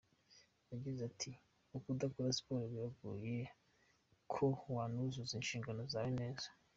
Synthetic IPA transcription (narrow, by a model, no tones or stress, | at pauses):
jaɡizatʰi | ukudakoɾaspoɾeβiaɡṵːje | kʰowaːnuzuzinʃiːŋɡano̞zajine̞ːzḁ